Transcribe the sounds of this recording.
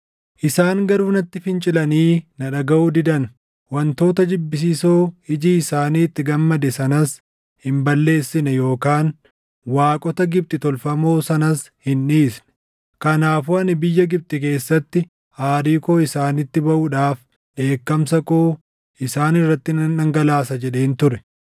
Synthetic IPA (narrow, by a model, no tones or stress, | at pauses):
ʔɪsaːŋɡɐɾuːnɐt̪ːɪfɪnt͡ʃʼɪlɐniːnɐᶑɐɡɐʔud̪ɪd̪ɐn | wɐnt̪o̞ːt̪ɐd͡ʒɪbːɪs̬iːsoːɪd͡ʒiːɪsaːniːt̪ːɪɡɐmːɐd̪ɛsɐnɐs | hɪmbɐlːe̞ːsːɪnɛjo̞ːkaːn | waːkʼɔt̪ɐɡɪb̚t̪ʼɪt̪ɔlfɐmoːsɐnɐs | hɪnːiːsnɛ̥ | kɐnaːfuɐnɪbɪjːɐɡɪb̚t̪ʼɪk̬e̞ːsːɐt̪ːɪ | haːɾiːkoːɪsaːnɪt̪ːɪbɐʔuᶑaːf | ᶑe̞ːkːɐmsɐkoː | ɪsaːnɪrːɐt̪ːɪnɐːɐŋɡɐlaːsɐd͡ʒɛᶑe̞ːnt̪ʊɾɛ̥